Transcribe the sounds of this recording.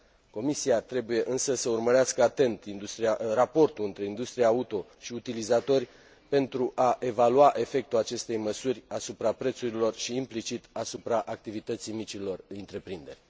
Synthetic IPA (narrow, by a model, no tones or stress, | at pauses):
ko̞misiat̪ɾe̞buje̞ʔɨnsəsəurməɾeaskəat̪e̞nt̪ind̪ust̪ɾijarapo̞rt̪uɨnt̪ɾe̞ind̪ust̪ɾijaut̪o̞ | ʃiut̪ilizat̪o̞rʲ | pe̞nt̪ɾuʔaʔe̞valuaʔe̞fe̞k̚t̪uat͡ʃe̞st̪e̞jməsurʲasupɾapɾe̞t̪suɾilo̞rʃiːmplit͡ʃit̪asupɾaʔak̚t̪ivit̪ət̪sijmit͡ʃilo̞rɨnt̪ɾe̞pɾind̪e̞rʲ